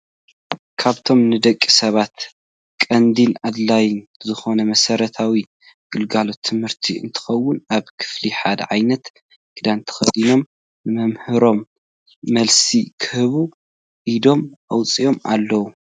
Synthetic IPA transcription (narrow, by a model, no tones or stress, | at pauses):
kʰaβt̪ʰo̞mnɨd̪ɐkʼːisɐβat̪ | kʼɐnd̪ilʕad̪lajnzɨxo̞nɐmɐsɐɾɐt̪ʰawi | ɡ̥ɨlɡalo̞t̪ʰːɨmhɨɾt̪ʰiɨ̰nt̪ʰɨ̥xɐwːʊnaβkʰɨ̥fliħad̪ʕajnɐt̪ | ɡ̥ʰɨd̪ant̪ʰɨ̥xɐd̪ino̞m | nɨmɐmhɨɾo̞mː | ɐlsikʰɨhɨβu | ʔid̪o̞mʔɐwt͡sʼijo̞mʔa̰lːɐwu